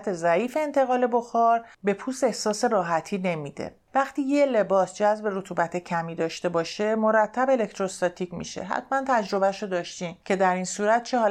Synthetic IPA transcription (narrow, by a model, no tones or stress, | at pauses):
t̪ʰe̞zæiːfeːnt̪ʰe̞ɣɒːle̞boxɒːɾbe̞pʰuːst̪e̞hsɒːseɾɒːɦæt̪ʰiːne̞miːd̪e̞̰ | væχt̪iːjele̞bɒːsd͡ʒæzbe̞ɾot̪ʰuːbæt̪ʰe̞cʰæmiːd̪ɒːʃt̪e̞bɒːʃe̞moɾæt̪ʰːæbele̞k̚ʰt̪ʰɾost̪ɒt̪ʰicmḭʃḛɦæ̰t̪ʰmænt̪ʰæd͡ʒɾo̞bæʃod̪ɒːʃt̪imcʰe̞d̪æɾiːnsuːɾæt̪̚t͡ʃʰeɦɒː